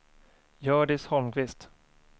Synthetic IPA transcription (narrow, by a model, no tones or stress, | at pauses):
jœːɖɪshɔlmkvɪst̪